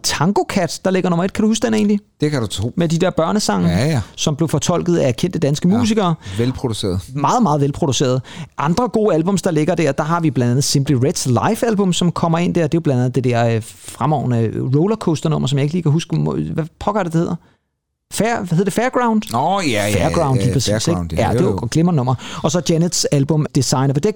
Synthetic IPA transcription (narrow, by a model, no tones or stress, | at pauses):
t͡sʰɑ̈ŋɡ̥o̝kʰæd̥d̥ɑ̈le̝ɡ̥ɐnomɐe̝d̥kʰæɾuhusd̥ene̝̰ːnlid̥ekʰædut͡sʰo̰med̥id̥eɐ̰b̥ɶɐnəsɑ̈ŋ̰sɒ̽mb̥le̝ʊfɒ̽t͡sʰɒ̽l̰ɡ̥ð̞̩ˠææɐkʰen̰d̥əd̥ænsɡ̥əmṵs̬iɡ̥ɐːʋelpʰʁod̥use̝̰ːɐð̩ˠmɑ̈ːð̞̩ˠmɑ̈ːð̞̩ˠʋelpʰʁo̝d̥use̝̰ːɐð̞̩ˠʔɑ̈nd̥ʁɐɡ̥o̝ːælb̥ɔ̽m̰sd̥ɑ̈le̝ɡ̥ɐd̥æɐ̰d̥ɑ̈ɦɑ̈ʋib̥lænd̥ænð̩ˠsemb̥liʁed̥slɑ̈ɪfælb̥ɔ̽msɒ̽mkʰɒ̽m̰ɐe̝n̰d̥æɐd̥e̝job̥lænd̥ænð̩ˠded̥ɛɐfʁamɒʊnəʁɔʊlɐkʰɔsd̥ɐnɔ̽m̰ɐsɒmjɑ̈eɡ̥liːkʰæɦusɡ̥əmʋæpʰɒ̽ɡ̥ɑ̰ɐɾ̥e̝dehe̝ð̰ˠɐ | fæɐæheð̰ˠɐd̥efeːɐɡ̥ʁäʊnd̥fæɐ̥ʁɑ̈ʊnd̥lipʰʁɐsḭse̥jæde̝ɡ̥lemɐnnɔ̽m̰ɐɒ̽sɒ̽d̥jæned̥sælb̥ɔ̽md̥esɑ̈ɪnɐʋed̥e